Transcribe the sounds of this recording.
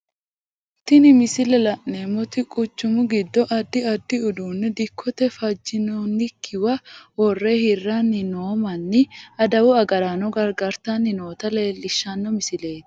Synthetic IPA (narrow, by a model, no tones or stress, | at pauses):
t̪ɪnɪmɪsɪlɛlɐʔnemːɔt̪ɪkʼʊt͡ʃːʊmʊɡɪd̪ːɔʔɐd̪ːɪɐd̪ːɪʊd̪uːnːɛd̪ɪkʰːɔt̪ɛfɐd͡ʒːɪnonːɪkʰːɪwɐwɔrːeːhɪrːɐnːɪnoːmɐnːɪɐd̪ɐwʊɐɡɐɾaːnɔɡɐɾɡɐɾt̪ɐnːɪno̞ːt̪ɐle̞ːlːɪʃːɐnːɔmɪsɪle̞ːt̪